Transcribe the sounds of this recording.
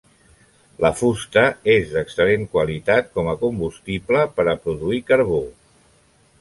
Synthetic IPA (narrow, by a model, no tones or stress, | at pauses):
ləfust̪əezðəksəleŋkwalit̪at̪̚kɔməkumbust̪ipləpəɾəpɾuðuikəɾβo